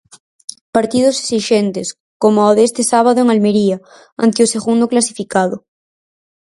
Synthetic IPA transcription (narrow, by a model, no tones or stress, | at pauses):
paɾt̪ið̞oseksiʃent̪es | komooðest̪esaβ̞aðoeŋalmeɾia | a̰nt̪eoseɣund̪oklasifikaðo